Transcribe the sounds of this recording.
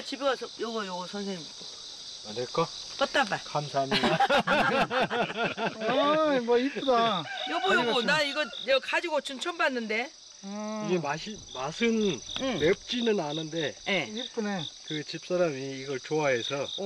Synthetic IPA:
t͡ɕibeɡasʰʌjʌbʌjoɡosʰʌnsʰeŋit͈o | maɾek͈a | k͈ʌt̚t͈abakamsʰaɲi | mʌip͈udajʌbʌjoɡonaiɡʌjekad͡ʑiɡot͡ɕɯnt͡ɕʰʌmbanːɯnde̞ | iɡe̞maɕʰimasʰɯnmep̚t͡ɕ͈inɯnanɯnde̞jeip͈unekɯt͡ɕip̚s͈aɾamiːɡʌɭt͡ɕoɦaɦe̞sʰʌ

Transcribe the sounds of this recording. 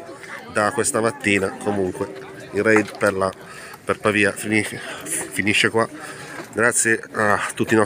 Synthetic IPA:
d̪akːwest̪amat̪ːiːnakʰomuŋkwe | inrɛjd̪peɾla | pɛɾpaviːafinifiniʃːekwaɡɾat̪sːjeat̪ːut̪ːinɔ

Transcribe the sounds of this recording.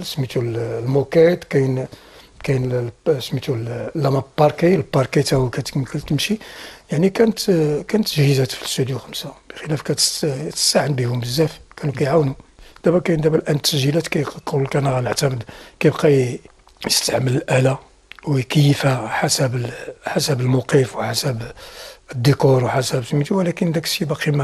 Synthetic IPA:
smit̪ullmukæt̪kæjn | kæjnsmit̪ullːæmæpːɑɾˤkilbɑɾkit̪ækæt̪əkməkːəlt̪əmʃijaʕnikænət̪kænət̪ːəʒhizæt̪fist̪ud̪juxəmsab̥ə̥xəlæfkæt̪t̪ə̥st̪aʕənbihʊmbəzːæfkænukæjʕawnud̥̪æbækæjnd̪æbælʔænt̪ːəʒilæt̪kæjqullkænɣæləʕt̪æməd̪kæjbqɑj | jəst̪aʕmələlʔælæ | wkəjːəfæħasæbħasəbəlmʊqifwħasæbəd̪ːəkuɾˤwħasæbətmit̪uwlækənd̪ækʃibɑqimæ

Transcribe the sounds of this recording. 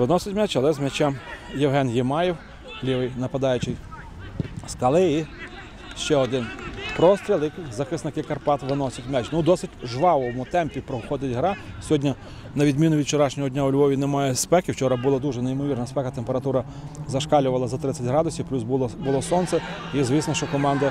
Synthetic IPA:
ʋɪnɔsʲɐtʲmɛt͡ʃɐlˠɛzmɛt͡ʃɛmjewɦɛnjɪmɑjiw | lʲiʋɪjnɐpɐd̪ɑjʊt͡ʃɪj | skɐlˠɪi | ʃt͡ʃɛɔd̪ɪnpɾɔst̪ɾʲilˠɪkzɐxɪsnɐkɪkɐrpɑt̪ʋɪnɔsʲɐtʲmɛt͡ʃnʊd̪ɔsɪtʲʒʋɑʋɔmʊt̪ɛmpʲipɾɔʊxɔd̪ɪtʲɦɾɑsʲɦɔdʲnʲɐ | nɐʋʲid̪mʲinʊʋʲid̪̚t͡ʃɔɾɑʃnʲɔɦɔdʲnʲaʊlʲbɔʋʲinemɑjɛspɛkɪwt͡ʃɔɾɐbulˠɐd̪uʒɛnejmɔʋʲirnɐspɛkɐt̪empeɾɐt̪uɾɐ | zɐʃkɑlʲʊʋɐlˠɐzɐt̪ɾɪtt͡sʲːɐtʲɦɾɑd̪ʊsʲiplʲusbˠbʊlˠɔsɔnsɛjizʋʲisnɔʃt͡ʃɔkɔmɑnd̪ɐ

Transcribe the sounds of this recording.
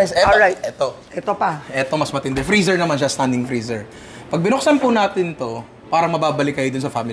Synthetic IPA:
ɛsɛoajt̪̚ʔɛt̪oʔɛt̪opɐʔɛt̪o̞mɐsmɐt̪ɪnd̪ɛfɾiːsɛɹnɐmanʃ̬ɐst̪and̪ɪŋfɾiːsɛɹ | pɐɡ̚bɪnok̚sanpʊnaːt̪ɪnt̪o̞ | paːɾɐŋmɐbaːbɐlɪkːɐjod̪ʊnsɐfamɪ

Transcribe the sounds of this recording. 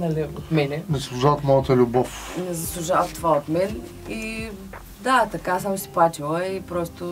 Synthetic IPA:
nɐliot̪mɛnɛnɛzsslˠuʒavət̪mɔjət̪əlʲʊbɔfnɛzɐslˠuʒavət̪ovaot̪mɛn | i | d̪at̪ɐkasamʊsi̥plˠat͡ʃilˠəipɾɔst̪ʊ

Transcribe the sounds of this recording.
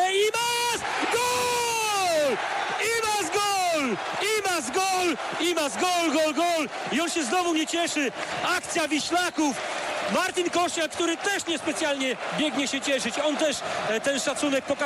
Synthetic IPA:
imas | ɡɔ | imazɡɔl | imazɡɔl | imazɡɔlɡɔlɡɔl | iɔnɕɛznɔvuɲɛt͡ɕɛʂɘakt̪sʲjavʲiɕlakufmaɾt̪ʲinkɔʂt͡ɕɛlkt̪uɾɘt̪ɛʂɲɛspɛt̪sʲjalɲɛbʲjɛɡɲɛɕɛt͡ɕɛʂɘt͡ɕɔnt̪ɛʂt̪ɛnʂat̪sunɛk̚pɔka

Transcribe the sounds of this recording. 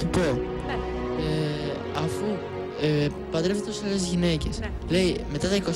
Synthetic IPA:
t̪upo | e | ɐfu | e | pɐd̪ɾevet̪eosɐle̞zʝine̞ce̞s | le̞ime̞t̪ɐt̪ɐikos

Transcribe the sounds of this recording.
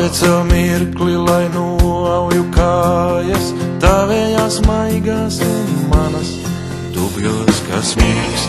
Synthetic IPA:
ɛt̪sɛlmiɾklilˠajnuawjukaːjast̪aːvɛːjaːsmajɡaːsunmanɐs | d̪̥ubjuːska̰smiks

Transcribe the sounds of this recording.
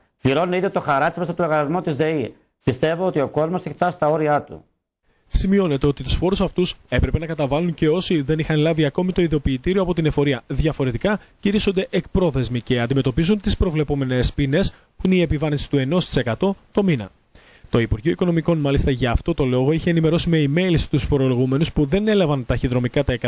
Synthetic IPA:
pliɾo̞nuneiðjot̪o̞xɐɾɐsimes̬ɐt̪oloɣɐlizmo̞t̪izðei | pist̪e̞voot̪io̞ko̞zmoseç̥t̪ɐst̪ɐo̞ɾiɐt̪ṵ | simio̞ne̞t̪e̞o̞t̪it̪usfo̞ɾusɐft̪use̞pɾe̞pe̞nɐkɐt̪ɐvɐluɲce̞o̞siðe̞nixɐnlɐviɐko̞mit̪o̞iðeopiːt̪iɾioɐpo̞t̪ine̞fo̞ɾiɐðʝɐfo̞ɾe̞t̪ikɐciɾiso̞nd̪e̞ʔek̚pɾo̞θe̞zmice̞ɐnd̪ime̞t̪o̞pizunt̪ispɾo̞vle̞po̞me̞ne̞spine̞s | puineie̞pivɐɾinsi̥t̪ue̞no̞st̪ise̞kɐt̪o̞t̪o̞minɐ̰ | t̪o̞ipuɾʝio̞iko̞no̞miko̞nmɐlist̪ɐʝɐːft̪o̞t̪o̞lo̞ɣo̞içeenime̞ɾo̞simeime̞lisi̥t̪usfo̞ɾo̞lo̞ɣume̞nuspuðe̞ne̞lɐvɐnt̪ɐçiðɾo̞mikɐt̪ɐekɐ

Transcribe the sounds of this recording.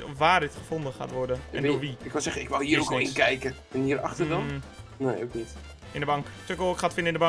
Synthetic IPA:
ʋaːrdɪtχəfondəxa̰tʋɔrdənɛndʊʋiɪkʋasɛχəɪkʋalˠhiəoskɪɪnkɛjkə | ɪnhiəɾa̰xtədɔnejo̰wknit | ɪ̃ndəbɔŋktøkəlˠkχatfɪnəɪndəba

